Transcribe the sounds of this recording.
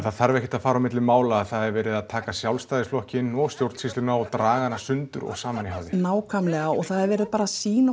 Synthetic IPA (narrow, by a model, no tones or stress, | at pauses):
θaðθaɾvɛhcɪt̪aðfaːɾawmɪt̪lɪmaːwlaːðθaðɛɾvɛːɾɪðaðt̪ʰaːkasjawlst̪ajðɪsflɔhcɪnːɔɣst̪jowɾt̪sist̪ɪnaɔt̪ɾaːɣanasʏnt̪ʏɾɔ̰ɣsaːmaniɦaːwðɪnnaːwkʰamlɛɣaɔɣθaðɛɾvɛːɾɪðpaːɾasiːna